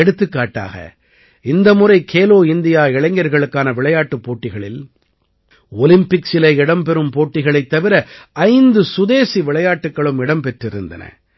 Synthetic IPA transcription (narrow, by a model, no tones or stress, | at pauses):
ɛɽɯt̪ːɯkːaːʈːa̰ːɣɐ̰ | ɪnd̪ɐmʊrɐɪkʰeːloːɪnd̪ɪjaːɪɭɐŋɡɐɾɣɐɭɯkːaːnɐʋɪɭɐjaːʈːɯpːoːʈːɪɣɐɭɪl | ɔlɪmpɪksɪlɐɪɽɐmpɛɾɯmpoːʈːɪɣɐɭɐɪt̪ːɐʋɪɾɐʔɐɪnd̪ɯsʊðeːsiʋɪɭɐjaːʈːɯkːɐɭɯmɪɽɐmpɛʈrɪɾɯnd̪ɐ̰nɐ̰